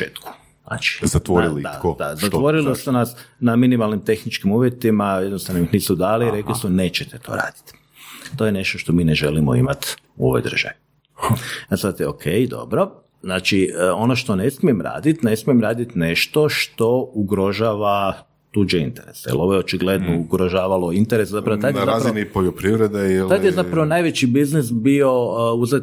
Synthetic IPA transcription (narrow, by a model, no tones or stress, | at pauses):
ḛːt̪ku̥ | zna̰t͡ʃi̥zat̪ʋoɾilid̪a̰kod̪a̰zat̪ʋo̞ɾilisunasnaminimalnimt̪e̞xnit͡ʃkimuːʋje̞t̪imajed̪nost̪aʋnomixniːsud̪aːliiɾe̞klisune̞ːt͡ʃet̪et̪ʰo̰ɾa̰ːd̪̥i̥t̪ | t̪o̞jene̞ʃt̪oʃt̪o̞miːneʒelimoḭmat̪uo̰ʋo̰jd̪r̩ʒ̥a̰ʋii | asat̪eokʰejd̪o̞̰bɾo̞ | znaːt͡ʃio̞noʃt̪one̞smiemɾa̰ːd̪it̪ne̞smijemɾaːd̪it̪ne̞ʃt̪o̞ʃt̪o̞uɡɾo̞ʒaːʋa | t̪ud͡ʒeint̪eɾḛsajḭlˠo̞ʋojeot͡ʃiɡle̞d̪nouɡɾoʒaːʋalo̞int̪eɾeszapɾaoat̪nezaaɾzinipoʎopɾiʋɾed̪eilad̪jezapɾaʋonajʋet͡ɕibiznisbio̞uzet̪